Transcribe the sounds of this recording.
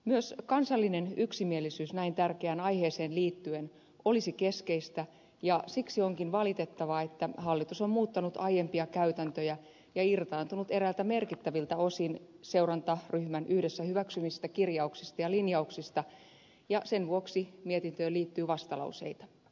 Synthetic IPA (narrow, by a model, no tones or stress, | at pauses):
myøskɑnsɑlːinenyksimielisyːsnæint̪ærkeæːnɑjheːseːnliːt̪ːyen | ʔo̞lisike̞skeist̪æ | jɑsiksioŋkinʋɑlit̪e̞t̪ːɑʋɑet̪ːæhɑlːit̪usommuːt̪ːɑnut̪ɑjempiɑkæyt̪ænt̪øjæ | jɑirt̪ɑːnt̪unut̪eɾælt̪æmerkit̪ːæʋilt̪æo̞sinse̞urɑnt̪ɑryhmænyhdesːæhyʋæksymist̪ækirjɑuksist̪ɑjɑlinjɑuksist̪ɑ | jɑsenʋuoksimiet̪int̪øːliːt̪ːyːʋɑst̪ɑlɑ̰usḛit̪ɑ̥